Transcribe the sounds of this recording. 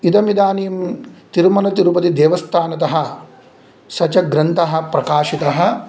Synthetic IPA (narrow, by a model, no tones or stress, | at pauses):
id̪ɐmid̪aːnijɐmt̪iɾmɐnɐt̪iɾupɐt̪id̪eːʋɐst̪ʰaːnɐt̪ɐɦɐ̆ | sɐt͡ʃɐɡɾɐnt̪ʰɐɦɐ̆pɾɐkaːʃit̪ɐɦɐ̆